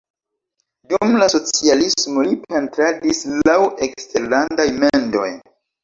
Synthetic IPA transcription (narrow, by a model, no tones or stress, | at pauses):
dumlaso̞t͡sialismo̞lipʰe̞ntɾadislaweksteɾlandajmendo̞̰j